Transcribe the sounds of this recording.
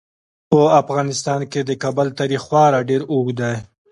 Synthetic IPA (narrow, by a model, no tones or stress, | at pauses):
pəafɣɑnɪst̪ɑnked̪əkabəlt̪ɑɾixxwɑɾaɖeɾoɡd̪aj